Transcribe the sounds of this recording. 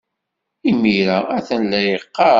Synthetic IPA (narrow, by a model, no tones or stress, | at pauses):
imiɾææθənlæjəqːɑ